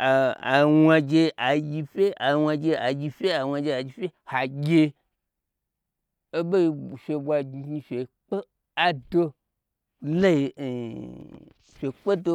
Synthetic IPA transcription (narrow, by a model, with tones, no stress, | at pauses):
a˨a̰˨wʷa˧d͡ʒe˧a˨˧ɡʲi˧fʲe˦a˨˧wʷa˧d͡ʒe˧a˨ɡʲi˧fʲe˦a˨wʷa˧d͡ʒe˧a˨d͡ʒi˧fʲe˦ha˨ɡʲe˧ | e˦ɓo˦i˧˨fʲe˧bʷa˧ɡɡi˧fʲe˨k͡pe˦ | a˨do˦ | le˦i˧˨ | fʲe˨k͡pe˦do˦˧